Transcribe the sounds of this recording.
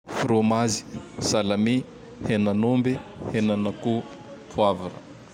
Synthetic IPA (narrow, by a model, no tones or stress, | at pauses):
fiɾomazi̥salami | henanombehenanaku | pʰuavanə̰